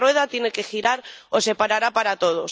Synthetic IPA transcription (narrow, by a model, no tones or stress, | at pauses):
rweð̞at̪je̞ne̞ke̞xiɾaɾose̞paɾaɾapaɾat̪o̞ð̞o̞s